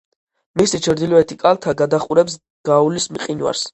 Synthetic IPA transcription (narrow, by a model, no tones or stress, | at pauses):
misit͡ʃʰɾd̪ilɔɛt̪ʰikʼalt̪ʰaɡad̪aχʼuɾɛps | ɡ̥aulismiqʼinwa̰ɾs